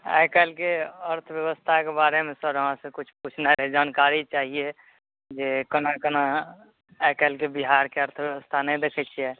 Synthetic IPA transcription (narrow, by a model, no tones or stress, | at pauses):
a̰jkəlkeəɾt̪ʰbjəwəst̪ʰakebaɾemẽsəɾəɦãsẽkut͡ʃʰput͡ʃʰnaɾed͡ʒaːnkaɾit͡ʃaːɦie | d͡ʒekənakənaː | kəlkebiɦaɾkeəɾt̪ʰbjəʋəst̪ʰanəĩd̪ekʰɛt͡ʃʰijɛ